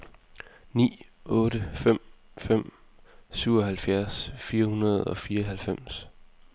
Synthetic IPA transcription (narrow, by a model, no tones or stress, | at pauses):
nḭːɔ̽ːɾəfem̰ | fem̰ | syʊ̰ɒɦælfjæɐsfiːɐhunɐð̞ˠɒ̽fiːɐɦælfem̰s